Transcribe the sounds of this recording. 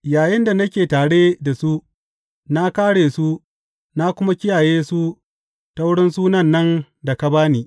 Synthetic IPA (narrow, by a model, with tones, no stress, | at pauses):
jaː˨jɪ˦nda˨nɐ˦kʲeː˨taː˨ɽe˦da˨su˦ | na˦kaː˦ɽeː˨su˦ | na˦kʷʊ˦ma˦kʲɪ˦jaː˨jeː˦su˦ | ta˦wʊ˦ɽɪ˦nsuː˦nɐ˦˨nːɐ˦n | da˨ka˦baː˦niː˨